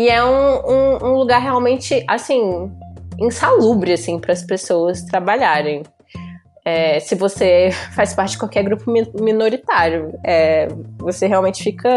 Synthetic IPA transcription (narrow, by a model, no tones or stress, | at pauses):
ɪɛũũũluɡaɾɦeawmẽnt͡ʃɪʔasĩ | ẽsalubɾɪasĩpɾɐɐspesowɐst̪ɾabaʎaɾẽj̃ | ɛsɪvosefajspaɾt͡ʃɪd͡ʒɪkwawkɛɾɡɾupʊmiminoɾit̪aɾjʊɛvoseɦeawmẽt͡ʃɪfikʰɐ